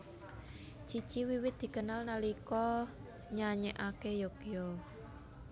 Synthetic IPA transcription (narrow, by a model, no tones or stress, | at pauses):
t͡ʃi̥t͡ʃiwiwɪt̪̚d̪̥i̤kənalnalikɔ | ɲaɲɛʔakejokjɔ